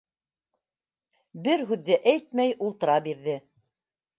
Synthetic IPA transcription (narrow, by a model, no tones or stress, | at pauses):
bɘɾɦʉðːɘʔæjt̪̚mæjʔulˠt̪ɤ̆ɾɑbiɾðɘ